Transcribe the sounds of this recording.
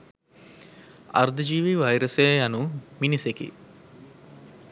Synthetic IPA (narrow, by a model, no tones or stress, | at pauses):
a̰ɾd̪əd͡ʒiːʋiʋajɾəsejjanuminisekḭ